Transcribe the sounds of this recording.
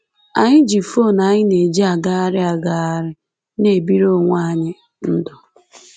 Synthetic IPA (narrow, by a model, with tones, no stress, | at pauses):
a˨ɲɪ˦d͡ʒi˨fo˦˨na˨ɲɪ˦ne˨d͡ʒi˦a˨ɡa˦a˦ɾɪ˦a˨ɡa˨a˦ɾɪ˦ | ne˨bi˦ɾo˦˨ŋʷa˦˨ɲɪ˦ | n̩˦dʊ˨